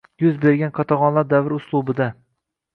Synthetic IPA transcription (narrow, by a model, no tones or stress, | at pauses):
jʊzbeɾɡʲanqʰɒt̪ʰɑʁɒnlaɾd̪avɪɾʊslˠʊbɪd̪a